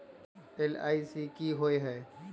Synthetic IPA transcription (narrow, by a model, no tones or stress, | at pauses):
ela̰ːisikiɦoːeɦɛː